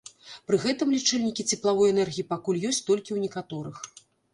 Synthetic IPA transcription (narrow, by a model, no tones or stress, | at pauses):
pɾɨɣɛt̪ɨmlʲit͡ʂɛlʲnʲikʲit͡sʲɛplˠavɔjɛnɛrɣʲijipakulʲjɔsʲt͡sʲt̪ɔlʲkʲiwnʲɛkat̪ɔɾɨx